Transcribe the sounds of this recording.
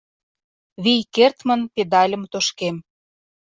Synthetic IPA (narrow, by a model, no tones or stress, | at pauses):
βijkert̪mə̆nped̪ɑlʲə̆mt̪oʃkem